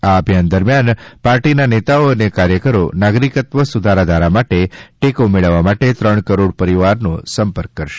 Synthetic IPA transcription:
aəbʱjand̪əɾmjanpaɾʈinanet̪aoənekaɾjəkəɾonaɡɾikət̪ʋəsud̪ʱaɾad̪ʱaɾamaʈeʈekomeɭəʋːamaʈet̪ɾəɳ̃kəɾoɽpəɾiʋaɾnõsəmpəɾkːəɾʃe̥

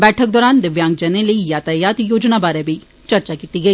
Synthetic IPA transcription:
bɛːʈʰək̚d̪ɔːɾaːnd̪ɪʋjãːŋɡd͡ʒɛneləijaːt̪ajaːt̪joːd͡ʒnabaːɾebʱi | t͡ʃɐɾt͡ʃakiːt̪iɡɐiː

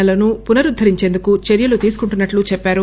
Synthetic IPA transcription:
ɐlɐnupunɐɾud̪ʱːɐɾiɲt͡ʃe̞ːnd̪ukut͡ʃeɾjɐlut̪iːsu̥kuɳʈunːɐʈlut͡ʃɛpːaːɾu

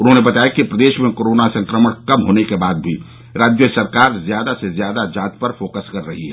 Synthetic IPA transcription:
ʊnɦõnebɐt̪aːekipɾəd̪eːʃmẽkoːɾoːnasɐ̃ŋkɾəməɽ̃kɐmɦoːnekebaːd̪̚bʱi | ɾaːd͡ʒjəsɐɾkaːɾzjaːd̪asezjaːd̪ad͡ʒãːt̪pəɾfoːkəskɐɾːɐɦiɦɛ

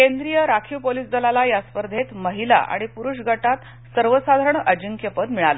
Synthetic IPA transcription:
kend̪ɾijəɾakʰiʋpoliːsd̪əlalajaspəɾd̪ʱet̪məɦila̰ʔa̰ɽ̃ipuɾuʂɡʱəʈat̪ | səɾʋəsad̪ʱaɾəɳʔəd͡ʑiŋkepət̪miɭalə

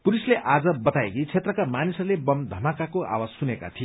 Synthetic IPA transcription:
puɾisleʔad͡zʌbʌt̪aekit͡sʰet̪rʌkamanisʌrlebʌmd̪ʱʌmakakoʔa̰wassuneka̰t̪ʰije

